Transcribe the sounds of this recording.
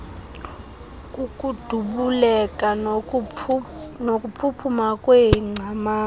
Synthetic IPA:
ukʼud̥ʱuɓulɛkʼa | nokʼupʰupʰumakʼweŋ͡ǀʱamaː

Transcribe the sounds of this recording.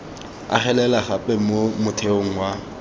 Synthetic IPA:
a̰χɛlɛlaχapʼɛmomʊtʰeoŋ̩wa

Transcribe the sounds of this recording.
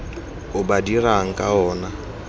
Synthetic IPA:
ʊbadiraŋ̩kʼaɔːna

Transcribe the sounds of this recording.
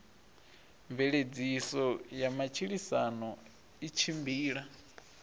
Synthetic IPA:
ɱvɛɺed͡zisɔjamat͡ʃʰiɺisanɔ | it͡ʃʰimbiːɺa

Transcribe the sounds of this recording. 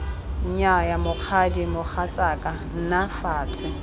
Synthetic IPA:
ɲ̩ɲajamʊq͡χʰadimʊk͡xʰat͡sʼakʼan̩nafaːt͡sʰɪ

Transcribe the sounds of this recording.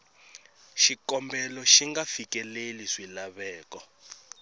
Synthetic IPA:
ʃikɔmbɛlɔʃiŋɡafikɛleliʂilaβɛːkɔ

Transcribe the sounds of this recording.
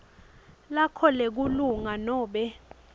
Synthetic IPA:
lakʰɔlek̬uluŋanɔːɓɛ

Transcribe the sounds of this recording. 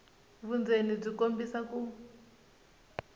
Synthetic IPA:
βund͡zenib͡ʐikombisaku

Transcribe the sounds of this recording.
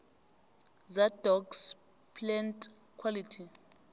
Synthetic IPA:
zadɔks | pʰʼlɛntʼ | kʰwalitʰi

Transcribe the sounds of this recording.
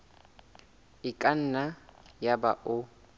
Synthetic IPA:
ikʼan̩najabaʔʊ

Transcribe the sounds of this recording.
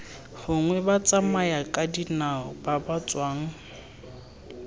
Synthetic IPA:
hʊŋwɛbat͡sʼamajakʼadinaɔbabat͡sʼwaːŋ̩

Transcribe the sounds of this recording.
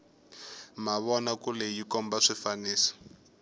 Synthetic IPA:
maβɔnakulɛjikɔmbaʂifaniːsḁ

